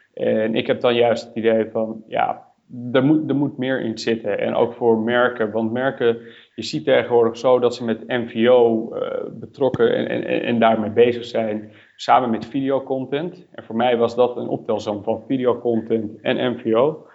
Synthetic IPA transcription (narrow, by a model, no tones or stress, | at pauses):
ʔɛnɪ̰kɦɛp̚dɑnjœɥstə̥tidejfɑnja̰ | dəɹmudəɹmutmɪːɹʔɪ̰nzɪtəɛ̰nʔo̰wkfʊːɹmɛɹkəʋɑntmɛɹkə | jəzitejχənʋʊːɹdəχsowdɑtsəmɛtɛnviowbətrɔkə̰ɛ̰ndaːɹmejbejzəχsɛjn | saːmənmɛtfidijowkɔntɛntʔɛnvoːɹmɛjʋɑzdɔtənʔɔ̰p̚tɛlˠsomfɑnfidijowkɔntɛntɛ̰nʔɛnviow